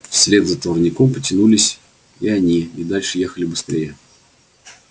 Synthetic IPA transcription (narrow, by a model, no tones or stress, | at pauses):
fsʲlʲed̪zət̪vərnʲɪkompətʲɪnulʲɪsʲ | iɐnʲiɪd̪alʲʂɨje̞xəlʲɪbɨst̪ɾʲejə